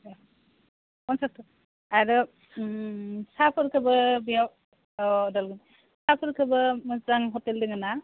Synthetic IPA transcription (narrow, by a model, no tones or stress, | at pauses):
kɔnsas̚tɔ | ajɾɯ | sapʰɯɾkʰɯbɯbijaw | ɔdalɡɯn | sapʰɯɾkʰɯbɯmɯzaŋɦɔteldɯŋɯna